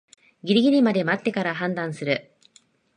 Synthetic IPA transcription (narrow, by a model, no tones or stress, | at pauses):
ɡʲiɾʲiɡʲiɾʲimad̪e̞mat̪ːe̞kaɾaɦãnd̪ãɰ̃sɨɾɯ̟